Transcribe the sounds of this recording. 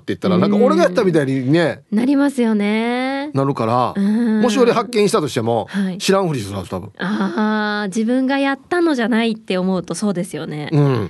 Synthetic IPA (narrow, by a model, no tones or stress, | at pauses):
t̪ːe̞jɯ̟t̪ːaɾanãkao̞ɾe̞ɡajat̪ːamʲit̪aiɲ̟ine̞naɾʲimasɨjo̞ne̞naɾɯ̟kaɾa̰ɯ̟̃mo̞ɕijoɾʲiɦakːẽ̞ɕit̪at̪o̞ɕi̥t̪e̞mo̞haiɕiɾãɰ̃ɸɯ̟ɾisɾa̰st̪abɯ̟̃a | d͡ʑibɯ̟̃ŋɡajat̪ːano̞ʑanait̪ːe̞o̞mo̞ɯ̟t̪o̞so̞ːd̪e̞sɨjo̞ne̞̰ɯ̟̃